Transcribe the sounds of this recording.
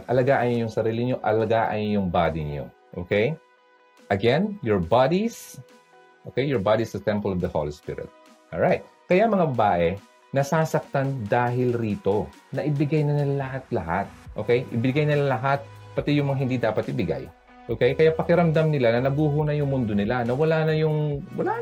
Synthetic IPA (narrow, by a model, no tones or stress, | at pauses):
ɐt̪ʔɐlɐɡaʔɐjnjʊŋsɐɾiːlɪɲo̞ʔɐ̰lɐɡaʔɐ̰jjʊŋbad̪iɲo̞̰ | ʔo̰ːkɛj | ʔɐɡɛnjɔɹbad̪is | ʔokɛjɔɹbad̪isd̪ɐt̪ɛmpɐlɔvd̪ɐho̰lispɪ̰ɾɪ̰t̪̚ | ʔɔlɹajt̪̚ | kɐjamɐŋabɐbaːʔɛ | nɐsasɐk̚t̪and̪aːɦɪlɾiːt̪o̞nɐʔɪbɪɡajnɐnɪlalɐhat̪̚lɐha̰t̪̚ʔo̞ːkɛjʔɪbɪɡajnɪlalɐɦat̪̚pɐt̪ɛjʊŋmɐŋaɦɪnd̪id̪aːpɐt̪ɪbɪɡa̰j | ʔokɛjkɐjapɐkɪɾɐmd̪amnɪlanɐnɐɡuːɦonɐjʊŋmʊnd̪onɪlanɐwɐlaːnɐjʊŋwɐ̰la